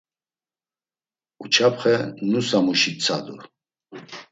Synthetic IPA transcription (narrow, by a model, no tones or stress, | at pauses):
ut͡ʃʰapχɛnusamuʃit͡sʰad̪ṵ